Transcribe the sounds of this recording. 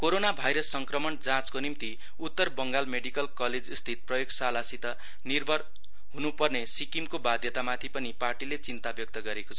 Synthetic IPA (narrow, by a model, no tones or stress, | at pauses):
koɾonabʱajɾʌsːʌŋkrʌmʌnd͡zãt͡skonimt̪i | ut̪ːʌrbʌŋɡalmeɽikʌlkʌled͡zst̪ʰit̪̚prʌjoɡsalasit̪ʌ | nirbʱʌr | ɦunupʌrnesikimkobad̪ʱjʌt̪amat̪ʰipʌniparʈilet͡sint̪abjok̚t̪ʌɡʌɾekot͡sʰʌ